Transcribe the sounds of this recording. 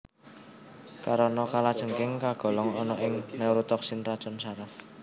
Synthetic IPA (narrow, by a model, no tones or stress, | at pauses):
kaɾɔnɔkalad̥ʒ̥ə̤ŋkɪŋkaɡ̥ɔ̤lɔŋɔnɔʔɪŋnɛwɾut̪ɔksinrad̥ʒ̥ɔnsaɾaf